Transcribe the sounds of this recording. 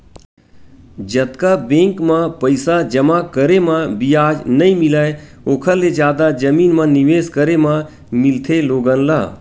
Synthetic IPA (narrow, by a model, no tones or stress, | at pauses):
d͡ʒət̪kabẽːŋkmãpəɪsad͡ʒəmãkəɾemãbijaːd͡ʒnəĩmɪlaːe | oːkʰəlːed͡ʒjaːd̪ad͡ʒəmiːnmãnɪʋeːskəɾemã | mɪlt̪ʰeloːɡənla̰ː